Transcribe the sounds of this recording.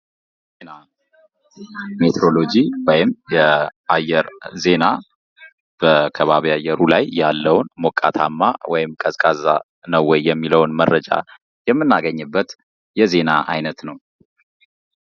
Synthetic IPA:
na | met̪ʰɾo̞lo̞d͡ʒiwɔjɪmjɛʔajːɛɾze̞na | b̥əkʰəβaβiajːɛɾulajːalːəwnmɔkʼːa̰t̪ʰa̰mːawɔjɪmkʼəzkʼaza̰ | nəwːɔjːɛmːiləwnmərːəd͡ʒa̰ | jɛmːɨnːaɡəɲːɨbːət̪ | jɛze̞na̰ʔa̰jnət̪nəw

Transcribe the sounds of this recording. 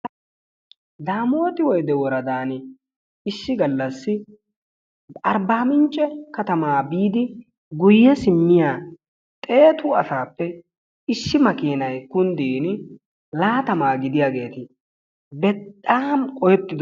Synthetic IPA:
d̪aːmo̞ːt̪ɪwɔjd̪ɛwɔɾɐd̪aːn | ɪʃːɪɡɐlːɐsːɪ | ɐɾbaːmɪnt͡ʃʼːɛkɐt̪ɐmaːbiːd̪ɪ | ɡʊjːɛsɪmːɪjaː | t̪ʼeːt̪ʊɐsaːpːɛ | ɪʃːɪmɐkiːnɐjkʊnd̪iːn | laːt̪ɐmaːɡɪd̪ɪjaːɡe̞ːt̪ɪ | bɛtʼːaːmkʼɔjɛt̪ːɪd̪

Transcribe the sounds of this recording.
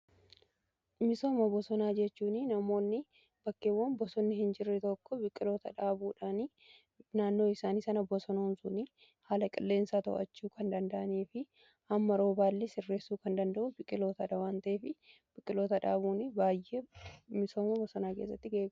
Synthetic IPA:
mɪso̞ːmɐbɔsɔnaːd͡ʒɛt͡ʃːuːnɪnɐmo̞ːnːɪ | b̥ɐkːeːwːɐnbɔsɔnːɪhɪnd͡ʒɪrːɛt̪ɔkːɔbɪkʼːɪlo̞ːt̪ɐᶑaːbuːᶑaːni | naːnːo̞ːɪsaːniːsɐnɐbɔsɔnɐnsʊnɪ | haːlɐkʼɪlːe̞ːnsaːt̪ɔ̰ʔɐ̰t͡ʃːuːkʰɐnd̪ɐnd̪ɐʔɐneːfɪ | ʔɐmːɐɾo̞ːbaːlːɪsɪrːeːsːuːkɐnd̪ɐnd̪ɐʔʊbɪkʼːɪlo̞ːt̪ɐᶑɐwaːnt̪ɐʔeːfɪ | b̥ɪkʼːɪlo̞ːt̪ɐᶑa̰ːbuːnɪbaːjːemɪso̞ːmɐbɔsɔnaːke̞ːs̬ːɐt̪ːɪɡeːɡ

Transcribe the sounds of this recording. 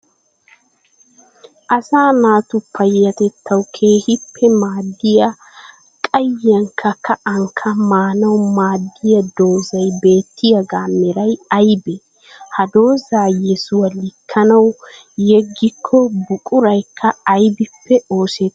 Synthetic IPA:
ʔɐsaːnaːt̪ʊpʰːɐjɐt̪ɛt̪ʰːɐwkʰeːhɪpʰːɛmaːd̪ːɪjɐ | kʼɐjɐŋkʰːɐkːɐʔɐŋkʰːɐmaːnɐwmaːd̪ːɪjɐd̪o̞ːzɐjbe̞ːt̪ːɪjɐɡaːmːɛɾɐjɐjbɛ | hɐd̪o̞ːzaːjɛsʊwɐlɪkʰːɐnɐw | jɛɡːɪkʰːɔbʊkʼʊɾɐjkʰːɐːjbɪpːɛoːsɛt̪ː

